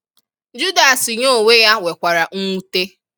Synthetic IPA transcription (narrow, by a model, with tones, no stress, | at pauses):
d͡ʒu˦da˨si˨ɲo˦˨we˦ja˦we˨kʷa˨ɾa˨ŋu˦te˦